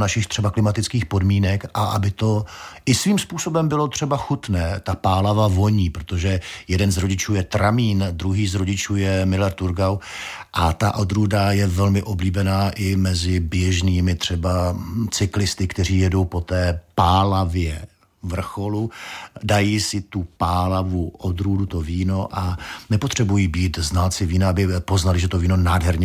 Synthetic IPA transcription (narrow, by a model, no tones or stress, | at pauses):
naʃɪxt̪r̥ɛbaklɪmat̪ɪt͡skiːxpo̞dmiːnɛkʔaʔa̰bɪt̪o̞ʔɪsviːmspuːsobɛmbɪlo̞t̪r̥ɛbaxut̪nɛːt̪apaːlavavo̞ɲiːpɾot̪o̞ʒɛjɛdɛnzɾo̞ɟɪt͡ʃuːjɛt̪ɾamiːnd̪ɾuɦiːzɾo̞ɟɪt͡ʃuːjɛmɪlɛɾt̪uɾɡaw | ʔat̪aʔod̪ɾudajɛvɛlmɪʔo̞bliːbɛnaːʔɪmɛzɪbjɛʒniːmɪt̪r̝̥ɛbat͡sɪklɪst̪ɪkt̪ɛr̝iːjɛdo̞wpo̞t̪ɛːpaːlavjɛ | vr̩xo̞ludajiːsɪt̪upaːlavuʔod̪ɾuːdut̪oviːno̞ʔanɛpo̞t̪r̝̥ɛbujiːbiːt̪znalt͡sɪviːnaabɪpo̞znalɪʒɛt̪o̞viːno̞naːdɦɛɾɲɛ